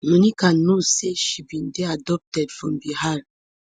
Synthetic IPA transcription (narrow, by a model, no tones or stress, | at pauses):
mõnikãnːoseʃibindeadɔp̚tɛdfɔmbihaɾ